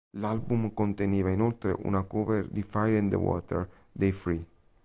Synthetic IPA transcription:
lalbumkont̪eniːvainolt̪ɾḛʔṵnakɔveɾd̪ifajlɛnd̪ə̰wɔ̰t̪ḛɾ | d̪ejfɾi

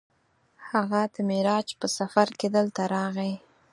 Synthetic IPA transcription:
haɣad̪̥əmɪɾɑd͡ʒpəsafaɾked̪əlt̪aɾɑɣe

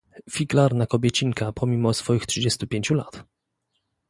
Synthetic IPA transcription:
fʲiɡlaɾnakɔbʲɛt͡ɕiŋkapʰɔmʲimɔsfɔjixtʂɨd͡ʑɛst̪upʲjeɲt͡ɕula̰t̪

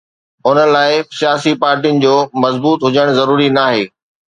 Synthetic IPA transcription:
ʊnə̆laːɪsijaːsipaːɾʈiʊnɪ̆d͡ʑoːmɐzbuːt̪ɦʊd͡ʑəɽ̃zɐɾuːɾinaːɦeː

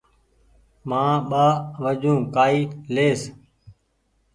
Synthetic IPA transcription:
mãːɓaːʋəd͡ʒũːkaːiːleːs

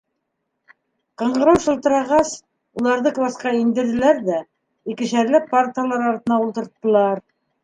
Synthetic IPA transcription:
qɤ̆ɴɢɤ̆ɾɤwʃɤ̆lˠt̪ɤ̆ɾɑʁɑs | ulˠɑɾðɤklˠɑsqɑind̪ɘ̆ɾðɘ̆læɾðæ | ikɘ̆ʃæɾlɘpaɾt̪əjalˠɑɾɑɾt̪ɤnɑulˠt̪ɤ̆ɾt̪ːɤ̆lˠɑɾ

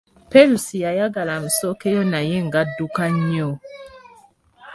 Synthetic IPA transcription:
pɛlusijajaɡalam̩sɔkɛjɔnajɛŋɡadukaɲɔ

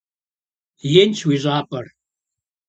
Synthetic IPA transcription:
jenʲt͡ʃʰwiʒʷaːpʼɐr

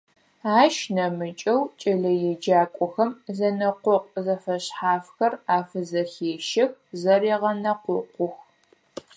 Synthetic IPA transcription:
aːʃnɐmɨt͡ʃʼɐwt͡ʃʼɐɮɐjɛd͡ʒaːkʷʼɔxɐmzɐnɐqʷʊq̚ʼzɐfɐɕħaːfxɐraːfɨzɐxeːʃɐxzɐɾeːʁɐnɐqʷʊqʷʊx

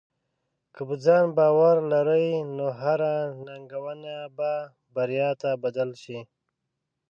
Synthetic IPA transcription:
kəbəd͡zɑːnbɑwaɾlaɾəjnoɦaɾanaŋɡawanaba | baɾjɑt̪abad̪alʃi

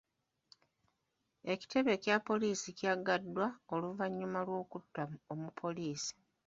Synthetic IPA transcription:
e̞ci̥te̞βe̞cjapːo̞liːsicjaɡadːwaoluvaɲːumalwo̞ːkutːaomupʰːo̞liːsi̥

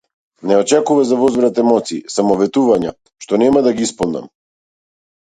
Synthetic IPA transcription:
nɛɔt͡ʃɛkuvazavɔzvɾat̪ɛmɔt̪siːsamɔvɛt̪uvaɲa | ʃt̪ɔnɛmad̪aɡiispɔlˠna̰m

